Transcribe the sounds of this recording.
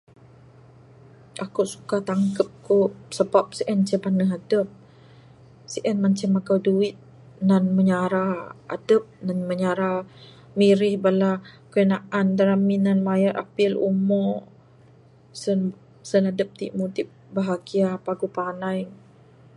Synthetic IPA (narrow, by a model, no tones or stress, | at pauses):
ʔakuʔsu̥kaht̪aŋkəp̚koʔsəbap̚siʔɛnt͡ʃəbanəɦadəp̚ | siʔɛnmant͡ʃəmakawduɪt̪̚ | nanməɲaɾaa̰dəp̚nanməɲaɾa | miɾɪhbalakəənaʔandaɾaminanmajərʔa̰pilṵmɔ | sn | sənadəp̚t̪ḭʔmudɪp̚baɦaɡiapaɡupanaj